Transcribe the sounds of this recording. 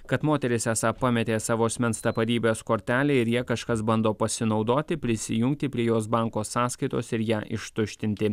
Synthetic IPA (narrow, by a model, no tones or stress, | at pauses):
kɐt̪moːt̪ʲɛɾʲɪsʲæːsɑːpɑmʲɛt̪ʲeːsɑːʋoːɐsʲmʲɛnst̪ɐpɐd̪ʲiːbʲeːskoːɾʲt̪ʲæːlʲeɪɾjiɛkɐʃkɐsbɐnd̪oːpɐsʲɪnɒʊd̪oːt̪ʲɪpʲɾʲɪsʲɪjʊŋʲk̚t̪ʲɪpʲɾʲiɛjoːsbɑŋkoːsɑːskɐɪt̪oːsɪɾjæːʔɪ̰ʃt̪ʊʃʲt̪ʲɪnʲt̪ʲɪ